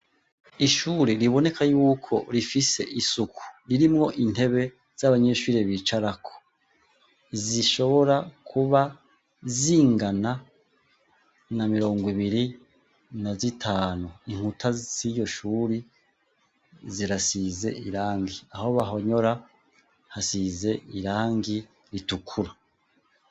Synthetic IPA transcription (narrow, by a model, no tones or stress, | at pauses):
iʃuːɾeɾiβo̞ne̞kʰajuːkʰo̞ɾifise̞̰ʔisukʰu̥ɾiɾimŋo̞ʔin̥e̞βe̞ | z̥aβaɲe̞ːʃuːɾe̞βit͡ʃaɾakʰo̥ | ziʃo̞βo̞ɾakʰuβa | ziːŋɡana | namiɾo̞ːŋɡwiβiɾi | nazitʰaːnuiŋ̥utʰaz̥ijo̞ʃuːɾi | ziɾasize̞̰ʔiɾaːŋɡiaho̞βaɦo̞ɲo̞ɾa | hasize̞iɾaːŋɡi | ɾitukʰuɾa